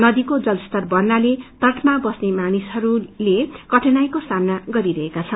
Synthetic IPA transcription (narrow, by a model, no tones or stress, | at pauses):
nʌd̪ikod͡zʌlst̪ʌrbʌrnalet̪ʌʈʰmabʌsnemanisɦʌɾulekʌʈʰenajkosamnaɡʌɾiɾʌɦekat͡sʰʌn